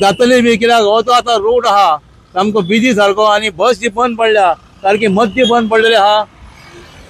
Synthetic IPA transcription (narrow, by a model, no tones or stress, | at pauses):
d̪at̪əlibik̬ilaɡt̪oat̪aɾoːʈaɦa | t̪amkoʋid̪ʱit̪ʰaɾkoanibəsipənd̪̚pəɽlja | k̪aːɾkimət̪̚ːjebənd̪pəɽɖljaɦa